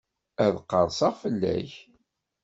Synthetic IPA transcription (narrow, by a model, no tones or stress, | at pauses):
æðqːəɾˤsɑʁfəlːæ̰ç